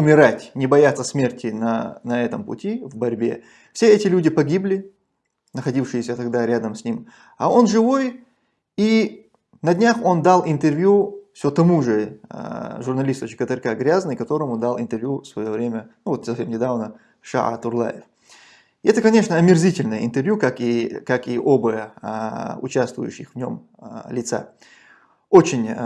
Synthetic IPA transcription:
ʊmʲɪɾatʲnʲɪbɐjat̪sːəsʲmʲe̞rtʲɪnɐnɐɛt̪əmpʊ̰tʲivbɐɾʲbʲe̞̰ | fsʲe̞ɛtʲɪlʲudʲɪpɐɡʲiblʲɪ | nəxɐdʲifʂɨjɪsʲət̪ɐɡd̪aɾʲad̪əmsʲnʲim | ɐ̰o̞nʐɨvo̞j | i | nɐdʲnʲaxo̞nd̪alˠɪnt̪ɨrvʲjufsʲot̪ɐmuʐɨ | ʐʊrnɐlʲist̪ʊt͡ɕɪ̥kət̪ərkaɡɾʲaznɨjkɐt̪o̞ɾəmud̪alˠɪ̰nt̪ɨrvʲjusvɐjo̞vɾʲemʲənuvot̪sɐfsʲemnʲɪd̪avnə | ʂa̰ʔa̰t̪ʊrlˠa̰jɪf | ɛt̪əkɐnʲe̞ʂnəɐmʲɪrzʲitʲɪlʲnəjəɪ̰nt̪ɨrvʲjukakikakiʔobəjə | ʊ̰t͡ɕast̪vʊ̰jʊ̰ɕːɪ̰xvnʲom | lʲɪt̪sa̰ | o̞t͡ɕɪnʲ

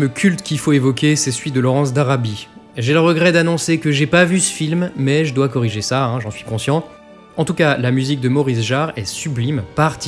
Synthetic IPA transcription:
məkʲʰylt̪kʲilfoevɔkʲesɛsɥit̪̚d̪əlɔʁɑ̃s̬d̪aʁabiʒeləʁəɡʁɛd̪anɔ̃sekəʒɛpavysə̥filmːɛʒəd̪wakɔʁiʒesaɛ̃ʒɑ̃sɥi̥kɔ̃sjɑ̃ | ɑ̃t̪ukalamyzik̚d̪əmɔʁisʒaʁɛsyblimpaʁt̪i

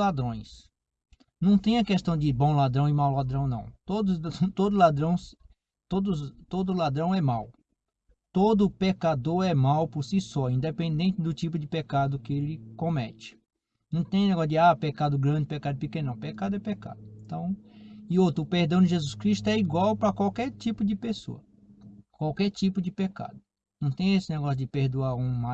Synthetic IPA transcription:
lad̪ɾõj̃s | nɐ̃w̃t̪ẽj̃ɐkest̪ɐ̃w̃d͡ʒ̪ɪbõw̃lad̪ɾɐ̃w̃ɪmawlad̪ɾɐ̃w̃nɐ̰̃w̃t̪od̪ʊt̪od̪ʊlad̪ɾɐ̃w̃s | t̪od̪ʊst̪od̪ʊlad̪ɾɐ̃w̃ɛmaw | t̪od̪ʊpekad̪oɾɛmawpoɾsisɔĩnd̪epẽnd̪ẽnt͡ʃɪd̪ʊt͡ʃipʊd͡ʒɪpekad̪ʊkɪelɪkõmɛt͡ʃɪ̥ | nɐ̃w̃t̪ẽj̃nɛɡɔsʊd͡ʒɪapekad̪ʊɡɾɐ̃nd͡ʒɪpekad̪ʊpɪkenɐ̃w̃pekad̪ʊɛpeka̰d̪ʊẽt̪ɐ̃w̃ɪot̪ɾʊpeɾd̪ɐ̃w̃d͡ʒɪʒezuskɾiʃt̪ʊɛiɡwawpɾɐkwawkɛɾt͡ʃ̪ipʊd͡ʒɪpeso̰ɐ | kwawkɛɾt͡ʃ̪ipʊd͡ʒɪpeka̰d̪ʊ | nɐ̃w̃t̪ẽj̃esɪnɛɡɔsjʊd͡ʒɪpeɾd̪uaɾũma

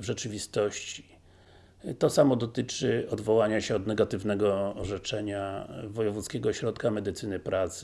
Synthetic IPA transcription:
vʐɛt͡ʂɘvʲist̪ɔɕt͡ɕi̥ | t̪ɔsamɔd̪ɔt̪ɘt͡ʂɘɔd̪vɔwaɲaɕɛɔd̪nɛɡat̪ɘvnɛɡɔːʐɛt͡ʂɛɲavɔjɛvut̪skʲɛɡɔɕɾɔt̪kamɛd̪ɘt̪sɘnɘpɾat̪s

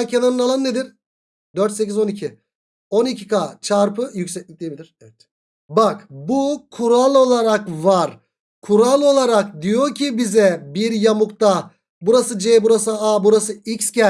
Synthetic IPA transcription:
cʰenanɯnalˠannːed̪iɾ | d̪øɾt̪secizo̞nicʰi | o̞nicʰi̥kat͡ʃʰaɾpɯjycsɛclʲic̚lʲijebilʲiɾɛvɛt̪ | bakbukʰuɾalˠo̞lˠaɾakvaɾ | kʰuɾalˠo̞lˠaɾak̚d̪ijo̞ɾcʰibizɛbiɾjamukt̪a | buɾasɯd͡ʒɛbuɾasɯabuɾasɯicscɛ

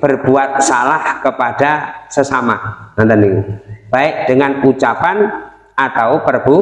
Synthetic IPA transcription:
b̥ərb̥uat̪̚salahkəpad̥asəsama̰nant̪əniŋb̥aɪk̚d̥əŋanut͡ʃapan | ʔat̪awpərb̥u

